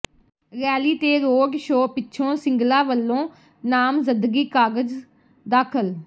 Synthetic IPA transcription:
ɾɛːliːt̪eːɾoːɡʃoːpɪtːʃʰõːsɪ̃ŋɡlaːʋəlːõː | naːmzɪnd̪ɡiːkaːɡəd͡ʒ | d̪aːkʰəl

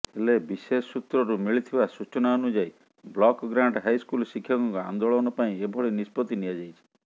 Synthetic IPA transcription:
elebisesːut̪ɾɔɾumiɭit̪ʰibasut͡ʃɔnaɔnud͡ʒaj | blɔkɡɾaɳɖɦajskulsikʰːjɔkɔŋkɔa̰nd̪oɭɔnɔpaĩebʱɔɭinispɔt̪inijad͡ʒajt͡ʃʰi̥

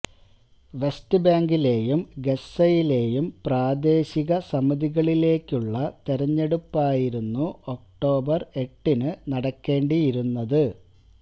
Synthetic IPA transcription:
ʋe̞stɨbaːŋɡile̞ːjumɡe̞sɐjile̞ːjumpraːd̪e̞ːɕiɣɐsɐmɐðiɣɐɭile̞ːkʲːuɭːɐt̪eɾɐɲːe̞ɽupːaːjiɾunːuok̚ʈo̞ːbɐre̞ʈːinɨnɐɽɐkːe̞ːɳɖijiɾunːɐðɨ

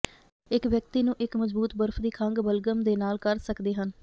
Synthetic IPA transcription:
ɪkʋjək̚t̪iːnũːʔɪkməzbuːt̪bəɾpʰd̪iːkʰəŋɡbəlɡəmd̪eːnaːlkəɾsəkd̪eːɦən

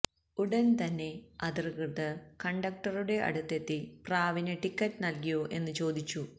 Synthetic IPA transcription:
uɽɐnt̪ɐnːe̞ɐd̪irkɨrt̪ɨkɐɳɖɐk̚ʈɐruɽe̞ʔɐ̰ɽut̪ːet̪ːipraːʋineʈikːɐtːɨnɐlkijoʔe̞nːɨt͡ɕo̞ːd̪it͡ɕːu

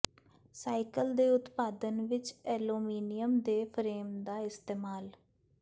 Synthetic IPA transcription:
saːɪkəld̪eːʊt̪paːd̪ənʋɪt͡ʃɛːloːmiːnɪjəmd̪eːpʰəɾeːmd̪aːɪst̪eːmaːl

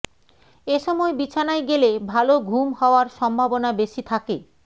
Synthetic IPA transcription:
eʃɔmɔebit͡ɕʰanaeɡelebʱaloɡʱumhɔoaɾʃɔmbʱabonabeʃit̪ʰake

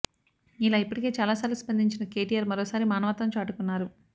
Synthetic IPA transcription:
ilaːipːuɽʈike̞ːt͡ʃaːlaːsaːɾluspɐnd̪ʱiɲt͡ʃinɐke̞ːʈijaːɾmɐɾɔːsaːɾimaːnɐʋɐt̪ːɐmt͡ʃaːʈukunːaːɾu

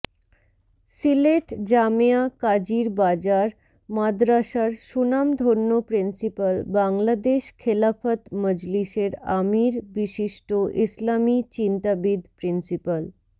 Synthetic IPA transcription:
sileʈd͡ʑameakad͡ʑiɾbad͡ʑaɾ | mad̪ɾaʃaɾʃunamd̪ʱonːopɾinsipəlbaŋlad̪eʃkʰelafat̪məd͡ʑliʃeɾamiɾbiʃiʃʈoʔislamit͡ɕint̪abid̪pɾinsipəl

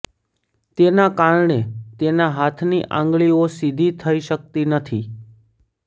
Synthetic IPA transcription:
t̪enakaɾɳet̪enaɦat̪ʰniʔã̰ŋɡɭiosid̪ʱit̪ʰəiʃək̚t̪inət̪ʰi

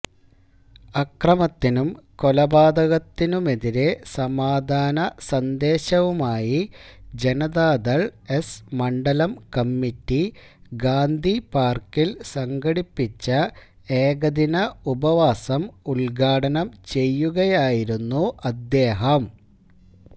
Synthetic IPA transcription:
ɐkrɐmɐt̪ːinumko̞lɐbaːd̪ɐɣɐt̪ːinume̞ðiɾe̞sɐmaːd̪ʱaːnɐsɐnd̪e̞ːɕɐʋumaːjid͡ʑe̞nɐðaːd̪ɐɭesmɐɳɖɐlɐmkɐmːitːi | ɡaːnd̪ʱipaːrkilsɐŋɡɐɽipːit͡ɕːɐ | eːɡɐd̪inɐubɐʋaːsɐmuɭɡʱaːɽɐnɐmt͡ɕe̞jːuɣɐjaːjiɾunːuʔɐd̪je̞ːɦɐm

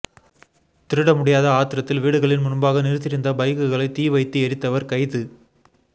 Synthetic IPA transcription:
t̪ɪɾɯɽɐmʊɽɪjaːðɐaːt̪ːɪɾɐt̪ːɪlʋiːɽɯɣɐɭɪnmʊnmbaːɣɐnɪɾɯt̪ːɪɾɪnd̪ɐbɐɪɣɯɣɐɭɐɪt̪iːʋɐɪt̪ːɯɛɾɪt̪ːɐʋɐɾkɐɪðɯ

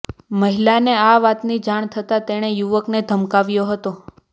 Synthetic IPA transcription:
məɦilaneaʋat̪nid͡ʒaɳ̃t̪ʰət̪at̪eɽ̃ejuʋəkned̪ʱəmkaʋjoɦət̪o

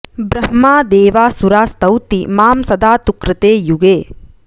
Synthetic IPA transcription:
bɾɐɦmaːd̪eːʋaːsuɾaːst̪ɐwt̪imaːmsɐd̪aːt̪ukɾɪt̪eːjuɡeː

